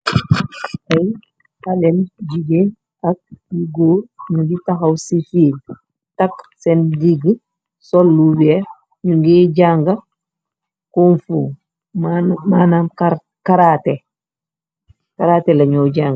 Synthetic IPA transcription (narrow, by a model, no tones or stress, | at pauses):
ʔɐj | alɛnɟiɡen | ɐk̚iɡoːɲuɡitaxɐwsifiːl | tɐksɛndiɡ | sɔlːuwɛ | ɲuŋɡiːɟaŋɡa | kunfu | mamaːnamkaɾ | kaɾaːte | kaɾatɛlɐɲɔɟaːŋɡ